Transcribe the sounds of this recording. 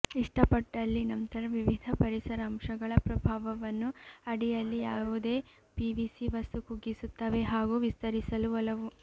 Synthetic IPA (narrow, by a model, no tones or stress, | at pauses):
iʂʈɐpɐʈːɐlːinɐnt̪ɐɾɐʋiʋid̪ʱɐpɐɾisɐɾɐːmʂɐɡɐɭɐpɾɐbʱaːʋɐʋɐnːuɐɽijɐlːijaːʋud̪e̞ː | piːʋisiʋɐst̪ukuɡːisut̪ːɐʋe̞ɦaːɡuːʋist̪ɐɾisɐluɐlɐʋu